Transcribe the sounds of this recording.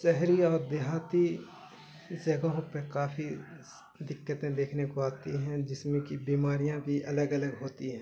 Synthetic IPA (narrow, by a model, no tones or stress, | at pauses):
ʃɛɦɾiɔːɾd̪eɦaːt̪i | d͡ʒɐɡõpekaːfʰi | d̪ɪkːət̪ẽd̪eːkʰnekoaːt̪iɦɛ̃d͡ʒɪsmẽkibiːmaːɾijãbʱiʔɐləɡɐləɡɦoːt̪iɦɛ̃ː